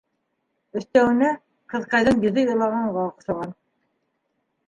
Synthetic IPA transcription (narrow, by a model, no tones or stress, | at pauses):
ɵ̆θt̪æwɘ̆nɘ | qɤ̆ðqɑjðɤɴjiðɤjŏlˠɑʁɑɴʁɑq̆ʃɑʁɑn